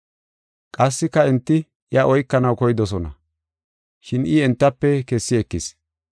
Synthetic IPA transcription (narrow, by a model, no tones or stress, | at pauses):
kʼɐsːɪkːɐɛnt̪ːɪ | ʔjɐʔɔjkːɐnɐwkɔjɪd̪ɔs̬ɔnɐ̰ | ʃɪnʔɪɛnt̪ːɐpːɛkɛsːɪɛkːɪs